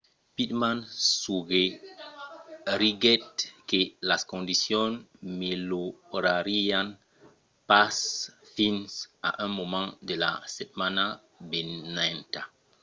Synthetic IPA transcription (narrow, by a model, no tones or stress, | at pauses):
pitmansuɡe | ɾiɡɛt̚kelaskõndisjɔnmeloɾaɾijan | pasfinsa̰ʔãnmomãndela̰sɛt̚mana | benanta